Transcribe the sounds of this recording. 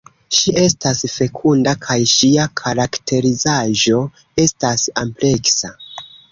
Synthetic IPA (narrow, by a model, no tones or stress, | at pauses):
ʃiʔe̞stasfe̞kʰundakʰajʃiakʰaɾaktʰe̞ɾizaʒo̞ | e̞stasample̞ksa